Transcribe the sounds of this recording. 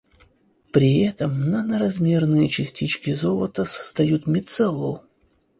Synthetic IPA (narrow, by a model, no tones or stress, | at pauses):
pɾʲɪɛt̪əmnənəɾɐzmʲe̞rnɨjət͡ɕɪsʲtʲit͡ɕkʲɪzolˠət̪əsə̥st̪ɐjut̪mʲɪt̪sɛlˠːo